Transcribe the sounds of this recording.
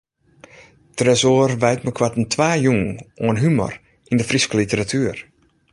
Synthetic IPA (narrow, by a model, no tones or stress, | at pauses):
trɛsoːərʋɛjtməkʰwatəntʰʋaːjuŋoənɦymɔ̰r | indəfriskəlitəɾatʰyːər